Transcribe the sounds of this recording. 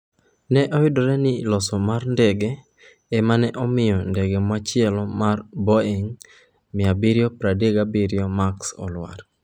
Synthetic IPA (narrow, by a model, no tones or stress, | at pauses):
nɛʔɔjʊdɔɾɛnɪlɔsɔmarndɛɡɛ | ɛmanɛʔɔmɪjɔndɛɡɛmat͡ʃɪɛlɔmarbɔeŋ | mɪabiɾjopɾadeɡabiɾjomaksɔ̰lwa̰ɾ